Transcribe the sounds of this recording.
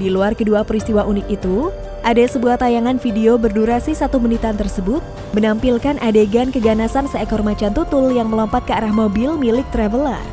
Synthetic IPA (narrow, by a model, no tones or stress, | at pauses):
diluarkəduapəɾist̪iwaʔunɪk̪it̪u | ʔadasəbuaht̪ajaŋanfideobərduɾasisat̪umunit̪ant̪ərsəbʊt̪̚ | mənampilkanʔadeɡankəɡanasansəɛkɔrmat͡ʃant̪ut̪ʊljaŋməlɔmpat̪̚kəaɾahmobɪlmilɪk̚t̪ɾɛvəla̰